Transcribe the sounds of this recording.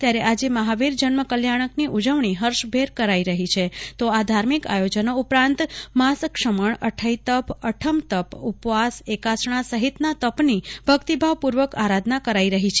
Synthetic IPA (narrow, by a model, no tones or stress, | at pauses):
t̪jaɾeʔad͡ʒeməɦaʋiɾd͡ʒənməkəljaɽ̃əkniʔud͡ʒəʋɳiɦəɾʃbʱeɾkəɾaiɾəɦit͡ʃʰet̪oad̪ʱaɾmika̰jod͡ʒənoupɾãnt̪maskʃəməɳəʈʰəit̪əpəʈʰəmt̪əpupʋasekasɳ̃asəɦit̪nat̪əpnibʱəkt̪ibʱaʋpuɾʋəkaɾad̪ʱnakəɾaiɾəɦit͡ʃʰe